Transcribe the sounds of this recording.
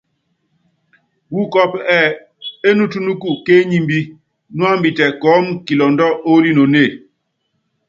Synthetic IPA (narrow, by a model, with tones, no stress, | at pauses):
wu˦kɔ˦pɛ˨ | e˦nu˦tu˦nu˦ku˦˨ke˦ɲi˦mbi˦ | nu˦a˦mbi˨tɛ˨kɔ˨˦mki˨lɔ˨ndɔ˦o˦li˦no˨ne˦˨